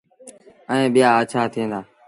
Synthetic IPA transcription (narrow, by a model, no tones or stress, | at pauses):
əẽːɓɪjaːət͡ʃʰaːt̪ʰĩẽːnd̪aː